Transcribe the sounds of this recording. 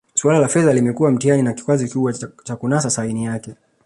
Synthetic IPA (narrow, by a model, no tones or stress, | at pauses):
sualalafɛðalimɛkuwam̩tianinaki̥kwazikuɓwat͡ʃakunasasainijakɛ